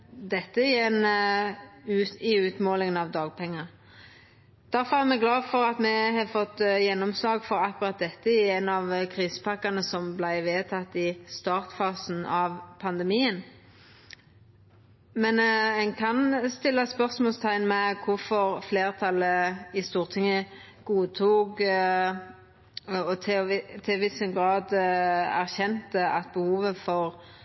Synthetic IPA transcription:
d̪ɛt̪ːəɪjɛnː | ʉɪʉːt̪moːlɪŋənɑʋd̪ɑːɡ̚pʰɛŋːə | d̪̥æɾfɔɾæʁmɛɡlɑːfɔɾɑt̪mɛhɑfɔt̪ːjɛnːɔmslɑːɡfɔɾɑkːʉɾɑt̪̚d̪ɛt̪ːəɪɛnɑʋkʰɾiːsə̥pʰɑkːɑnəsɔmblæɪʋeːt̪ʰɑt̪ːɪst̪ɑːʁt̪fɑːsn̩ɑʋpʰɑnd̪əmiːən | mɛnɛŋkʰɑnst̪ɪlːɑspœʁsmɔlst̪ʰæɪnmɛkʰʊfɔɾfleːʁt̪ʰɑlːəɪst̪uːʁt̪ʰɪŋːə | ɡ̥uːt̪ʰuːk | ɔt̪ʰt̪ʰɪʋɪsəɡɾɑːd̪æʁçɛnt̪əɑt̪̚bəhuːʋəfɔɾ

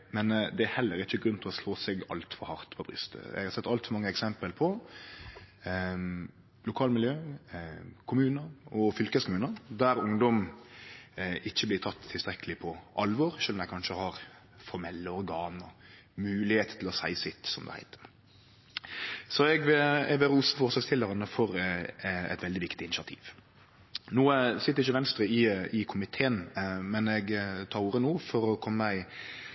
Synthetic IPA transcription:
mɛnd̪ɛæhɛlːəɾɪçːəɡɾʉnt̪ʰɪlɔsloːsɛɡɑ̰lt̪fɔɾhɑɾt̪pʰɔbɾʏ̰st̪ʰə̰ɛ̰ɡhɑɾsɛt̪ːɑlt̪fɔɾmɑŋːəɛksɛmpəlpʰɔ | lʊkʰɑːlmɪljøː | kʰʊmʉːnəɾɔfʏlkəskʰʊmʉːnəɾd̪æɾʊŋd̪ɔm | ɪçːəblɪɾt̪ʰɑt̪ʰːɪlst̪ɾɛkəlɪpʰɔʔɑlʋɔːɾʃøːlmɛɪkʰɑnʃəhɑɾ | fɔɾmɛlːəɔɾɡɑːnɔ | mʉːlɪheːt̪t̪ʰɪlɔsæ̰ɪsɪt̪sɔmd̪ɛ̰hæ̰ɪt̪ʰə̥ɾ | sɔɛɡʋɪɛʋɪɾuːsəfɔːɾsɑːɡst̪ʰɪlːəɾənəfɔɾ | ɛ̰t̪ʋɛld̪ɪʋɪkt̪ɪɪnɪsɑt̪ʰḭːʋ | noːəsɪt̪ːəɾɪçːəʋɛnst̪ɾəɪɪkʰʊmɪt̪ʰeːənmɛnɛɡt̪ʰɑːɾuːɾənuːfɔɾɔkʰɔmːəɪ

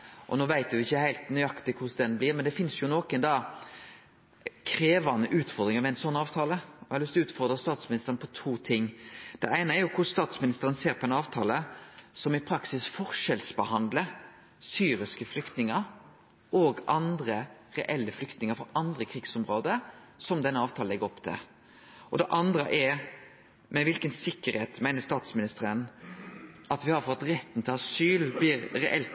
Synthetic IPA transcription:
ʔɔ̰noːʋæɪt̪ʋʋɪçːəhæɪlt̪nʏɑkt̪ɪkʰʊsd̪ɛnblɪːɾmɛnd̪ɛfɪnsjʊnoːkənd̪ɑ | kʰɾeːʋɑnːəʔʉːt̪fɔʁd̪ɾɪŋəmɛɪnsɔnːɑːʋt̪ʰɑːləɔɑlʏst̪ʉːt̪fɔʁd̪ɾəst̪ɑːt̪smɪnɪst̪ʁnpʰɔt̪ʰuːt̪ʰɪŋːd̪̥ɛ̰ʔæɪnəæɾjʊkʰʊsst̪ɑːt̪smɪnɪst̪əɾənseːɾpʰɔɛnɑːʋt̪ʰɑ̰ːləsɔmɪpʰɾɑksɪsfɔʁʂɛlsbəhɑnd̪lə | syːɾɪskəflʏkt̪nɪŋəɾ | oɡʔɑnd̪ɾəʁɛʔɛlːəflʏkt̪nɪŋəɾfɔɾʔɑnd̪ɾəkʰɾiːɡsɔmɾoːd̪əsɔmd̪ɛnːəɑːʋt̪ʰɑːlɛɡəɾɔpːt̪ʰɪ̰l | ʔɔd̪ɛʔɑnd̪ɾəʔɛɾ | mɛʋɪlkənsɪkːəɾheːt̪mæɪnəst̪ɑːt̪smɪnɪst̪əɾən | ɑt̪ʋɪhɑɾfɔɑt̪ɾɛt̪ːn̩t̪ʰɪlɑsyːlblɪɾɾɛʔɛlt̪

